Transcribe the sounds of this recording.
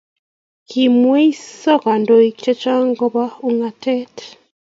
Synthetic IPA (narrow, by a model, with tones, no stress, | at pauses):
kʰimweso˦ka˨ndo˨ikt͡ʃe˦t͡ʃaː˦ŋɡo˦βauŋa˨te˦t